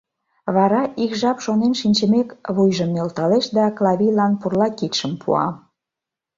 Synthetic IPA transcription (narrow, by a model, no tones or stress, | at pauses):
βɑɾɑʔikʒɑpʃonenʃinʲt͡ɕəmekβujʒəmnelt̪ɑleʃd̪ɑklɑβijlɑnpurlɑkit̪ʃə̆mpʰṵɑ̰